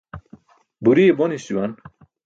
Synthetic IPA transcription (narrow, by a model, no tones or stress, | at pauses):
buɾiebonisuwan